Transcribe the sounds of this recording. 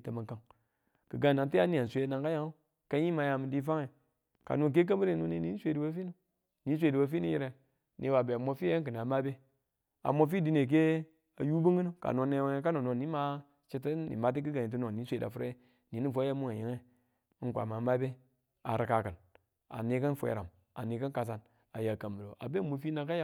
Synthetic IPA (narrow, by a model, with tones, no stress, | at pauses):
ta˨ma˨ka˦ŋ | kə˨ɡa˦˨na˨ti˦a˦ni˦a˨sʷe˦na˨ŋka˦ja˦o˦ | ka˦i˦ma˨˦ja˨mi˨di˦fa˦ŋe˨ | ka̰˨no˦˨k̬e˦k̬a˦mi˦ɾi˦nu˨ni˦ni˦sʷe˦˨di˨wa˦fi˦nu˦ | ni˨˦s̬ʷe˨di˨wa˦fi˦ni˦jḭ˦ɾe˨ | ni˨˦wa˨be˨a˨mo˦fi˦je˦k̬ɨ˨n˨a˨ma˦be˦ | a̰˨mo˦f̬i˦di˦ne˨k̬e˦ | a˨ju˦bi˦ŋi˦nu˦ka̰˨no˨˦ne˦wka˦no˨no˨ni˦ma˦ | t͡ʃi˦ti˦nḭ˨ma˨˦t̬i˦ki˦ɡa˨ɲi˨t̬u˦no˨i˨˦sʷe˨da̰˨fu˦ɾe˦ | ni˨ni˦˨fo˦a˦mu˦ŋa˨ji˨ŋe˦ | kʷa̰˨ma˨˦ma˦be˦ | a̰˨ɾi˨ka˨kə˨n | a̰˨ni˨kə˦nfʷḛ˨ɾa̰˨m | a˨ni˨kə˦ka˨s̬a˦n | a˨ja˨ka˨mbə˨ɾo̰˨ʔa̰˨be˦˨mo˨fi˦na˨ka˦ja˦